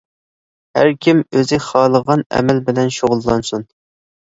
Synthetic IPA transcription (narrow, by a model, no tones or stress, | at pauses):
hæ̰ɾkʲʰimøzɪχɑːlˠəʁɑnɛ̰mɛlbɪlɛnʃoʁʊlˠːɑnsun